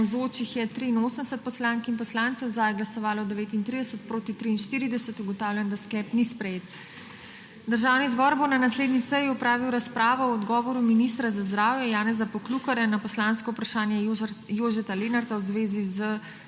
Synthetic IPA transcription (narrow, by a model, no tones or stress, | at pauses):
zoːt͡ʃixjɛt̪ɾiːnoːsənd̪ɛsət̪̚pɔslaŋkinpɔslaːnt̪sɛwzajɡlasɔʋaːlɔd̪ɛʋeːt̪int̪ɾid̪ɛsət̪̚pɾoːt̪it̪ɾiːnʃt̪iːɾid̪ɛsət̪uɡɔt̪aːwlʲɛnd̪asklɛːpnispɾɛjeːt̪ | d̪əɾʒaːwnizbɔːɾbonanasleːd̪nisəjiɔpɾaːʋiwɾaspɾaːʋɔwɔd̪ɡɔːʋɔɾuminist̪ɾazazd̪ɾaːwjɛjaːnɛzapɔklukɔɾjanapɔslaːnskɔupɾaʃaːnjɛjoːʒɛt̪alenaɾt̪awzʋeːzizə